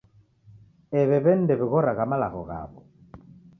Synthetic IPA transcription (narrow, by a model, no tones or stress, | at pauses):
ɛβɛβɛn̩dɛβiɣɔɾaɣamala̰ɣɔ̰ɣa̰βɔ